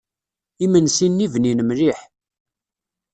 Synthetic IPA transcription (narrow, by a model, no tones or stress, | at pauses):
imənsinːivninəmɾiħ